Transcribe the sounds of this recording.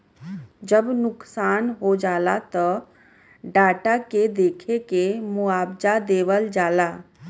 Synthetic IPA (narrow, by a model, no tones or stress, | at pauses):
d͡ʒəbnʊksaːnɦod͡ʒalat̪ɔ | ɖaːʈaked̪ekʰekemuaːbd͡ʒad̪eʋəld͡ʒaːla